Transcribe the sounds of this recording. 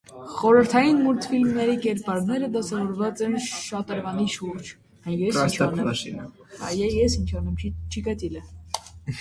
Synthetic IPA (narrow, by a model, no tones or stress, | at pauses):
χɔɾəɾt̪ʰɑjinmuɾt̪ʰfilmnɛɾikɛɾpɑɾnɛɾəd̪ɑsɑvɔɾvɑt͡sɛnʃɑt̪əɾvɑniʃuɾd͡ʒ | ɑjjɛsɑst̪ɑɑʃḭnə | ɑjɛjɛsint͡ʃʰɑnɛmt͡ʃʰt͡ʃʰikɑt̪ilə